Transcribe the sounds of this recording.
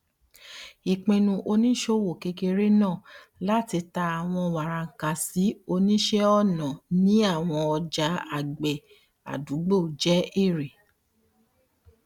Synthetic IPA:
i˨k͡pẽ˧nũ˧ʔo˧nĩ˦ʃo˦wo˨ke˧ke˧ɾe˦nãː˦˨ | la˦ti˧ta˧a˨w̃ɔ̃˧wa˨ɾa˨ŋ̩˨ka˨si˨˦o˧nĩ˦ʃɛ˦ɔ˦˨nã˨nĩ˨˦a˦˨w̃ɔ̃˧ɔ˧d͡ʒa˨˦a˦˨ɡ͡bɛ˨ | a̰˨du˨˦ɡ͡bo˦˨d͡ʒɛ˨˦i˦˨ɾe˨

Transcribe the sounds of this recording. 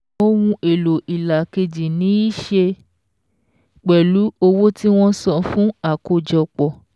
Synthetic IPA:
o˦wũ˧e˨lo˨ʔi˨la˨ke˧d͡ʒi˨nĩ˨˦i˦ʃe˧ | k͡pɛ˨lu˨˦o˧wo˦ti˦w̃ɔ̃˦sɔ˧fũ˦a˦˨ko˧d͡ʒɔ˧k͡pɔ˨

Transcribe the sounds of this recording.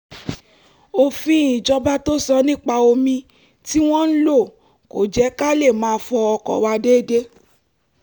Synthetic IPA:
o˧fĩ˧˦ĩ˨d͡ʒɔ˧ba˦to˦sɔ˧nĩ˦k͡pa˧o˧mĩ˧ | ti˦w̃ɔ̃˦n̩˦lo˦˨ | ko̰˨d͡ʒɛ˨˦ka˦le˦˨mãː˧˦˧fɔ˧ɔ˧kɔ̰˨wa˧de˦˨de˦

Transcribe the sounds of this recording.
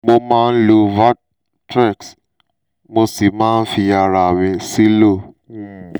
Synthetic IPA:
mo˧mãː˦˧n̩˦lo˧va˦ | tɾɛ˦˨ks | mo˧si˨mãː˦n̩˦fi˧a˧ɾa˧˨mĩ˧si˦lo˦˨

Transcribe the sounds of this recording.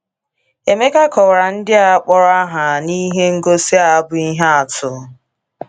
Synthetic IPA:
e˨me˦ka˦kɔ˨ɾa˨n̩˦dɪ˦a˨˦k͡pɔ˨ɾa˦ɦa˨ni˦ɦe˦ŋ̩˦ɡo˦si˦a˨a˦bʊ˨i˦ɦa˦a˨tʊ˨˦

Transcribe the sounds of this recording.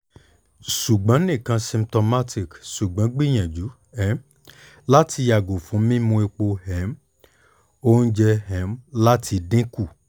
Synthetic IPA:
ʃu˨ɡ͡bã˨˦nĩ˦˨kã˧sĩ˧mtɔ˧ma˦ti˦˨kʃu˨ɡ͡bã˨˦ɡ͡bi˦˨j̃ã˨d͡ʒu˨˦ | ɛ˦m | la˦tʰi˧ja˨ɡo˨fũ˨˦mĩ˦mũ˧e˧k͡po˧hɛ˨˦m | o˦n̩˦d͡ʒɛ˧hɛ˨˦mla˦tʰi˧dĩ˦ku˦˨

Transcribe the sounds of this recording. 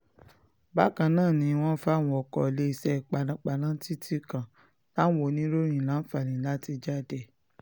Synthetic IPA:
ba˦kã˧nãː˦˨nĩ˧˦w̃ɔ̃˦n̩˦fa˦˨w̃ɔ̃˨ɔ˨kɔ̰˨le˨˦i˧sɛ˦˨i˨k͡pa˨nã˧k͡pa˨nã˦ti˦ti˦kã˨ | la˦n̩˦wo˧˨nĩ˦ɾo˦ɾ̃ĩ˨lã˨˦fa˨ɾĩ˨la˦ti˧d͡ʒa˦˨dɛ˨

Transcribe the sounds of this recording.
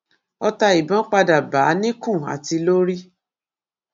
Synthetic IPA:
ɔ˧ta˧i˨bɔ̃˦k͡pa˧da˨ba˨˦nĩ˦kũ˦˨a̰˨ti˧lo˦ɾi˦

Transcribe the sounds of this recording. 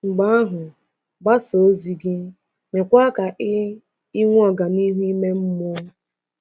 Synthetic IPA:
ŋ͡m̩˨ɡ͡ba˦a˦ɦʊ˨ | ba˦so˨˦zi˨ɡɪ˦ | me˨kʷa˦ka˨ʔɪ˦ | i˦ŋʷ˦ɔ˨ɡa˨ni˦ɦu˦i˦me˦m̩˦mo˦

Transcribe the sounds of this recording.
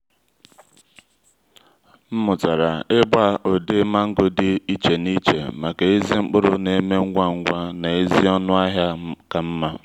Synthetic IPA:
m̩˦mʊ˨ta˨ɾa˨ɪ˦bʷa˦o˨dɪ˦ma˦ŋ̩˦ɡʊ˦dɪ˦i˦t͡ʃe˨ni˦t͡ʃḛ˨ma˨ke˨i˦zi˦ŋ͡m̩˦k͡pʊ˦ɾʊ˦ne˨˦me˦ŋ̩˦ɡʷa˦ŋ̩˦ɡʷa˦na˨e˦zi˦ɔ˦nʊ˦a˦ɦja˦ka˨m̩˦ma˦

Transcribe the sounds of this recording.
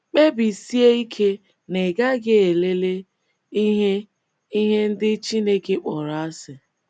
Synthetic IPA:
k͡pe˦bi˨si˦e˦i˦kʰe˦ | ne˨ɡa˦ɡe˦e˨le˦le˦ | i˦ɦe˦ | i˦ɦe˦n̩˦dɪ˦t͡ʃi˦ne˦ke˦k͡pɔ˨ɾa˨a˦sɪ˨

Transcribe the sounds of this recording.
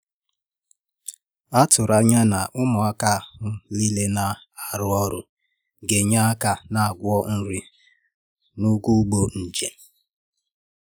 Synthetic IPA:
a˦tʊ˨ɾa˦ɲa˦na˨ʔʊ˦mʊ˨a˦ka˦˨ɦʊ˦li˦le˦na˨ | a˨ɾʊ˦ɔ˦ɾʊ˨ | ɡe˨ɲa˦a˦ka˨na˨a˨ɡʷʊ˦ɔ˦n̩˦ɾi˦ | nu˦ɡu˦ɡ͡bo˦n̩˨d͡ʒe˨

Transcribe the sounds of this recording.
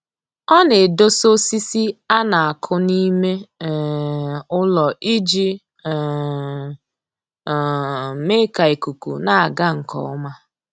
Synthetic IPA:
ɔ˦ne˨do˦so˦si˦si˦a˦na˨a˨kʰʊ˦ni˦me˦˨ | ʊ˦lɔ˨ʔi˦d͡ʒi˦˨ | me˦ka˨i˨ku˨kṵ˨na˨a˨ɡa˦ŋ̩˨kɔ̰˨ʊ˦ma˦

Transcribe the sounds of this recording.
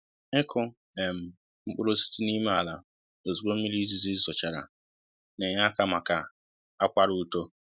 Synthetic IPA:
ɪ˦kʰʊ˦ | e˨m̩˨ | m̩˦k͡pʊ˦ɾo˦si̥˦ti˦ni˦me˦a˨la˨ | o˨zu˨ko˦m̩˦mi˦li˦zi˦zi˦sɔ˨t͡ʃa˨ɾa̰˨ | ne˨ɲa˦ka˦ma˨ka˨ | a˦kʷa˦ɾu˦u˦to˦

